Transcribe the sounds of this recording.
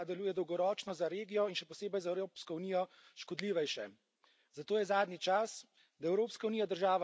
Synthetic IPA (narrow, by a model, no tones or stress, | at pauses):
d̪ɛluːjɛd̪ɔwɡɔɾɔːt͡ʃnɔzaɾeːɡijɔinʃɛpɔseːbɛjzaɛwɾoːpskɔuniːjɔ | ʃkɔd̪liːʋɛjʃɛ | zat̪oːjɛzaːd̪nit͡ʃas | d̪aɛwɾoːpskaunijad̪əɾʒaːʋa